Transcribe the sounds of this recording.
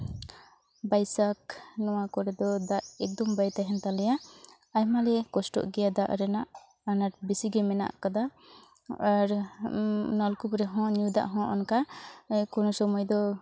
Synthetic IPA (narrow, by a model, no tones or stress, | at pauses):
bajsak̚nɔwakɔɾɛd̪ɔd̪aʔɛk̚d̪ɔmbajt̪aɦɛnt̪alɛja | ajmalɛkɔsʈɔ̰ʔɡɛjad̪aʔɾɛnaʔ | anaʈ̚bisiɡɛmɛna̰ʔkad̪a | aɾ | nɔlkupɾɛɦɔ̃ɲud̪a̰ʔɦɔ̃ʔɔnkakɔnɔsɔmɔjd̪ɔ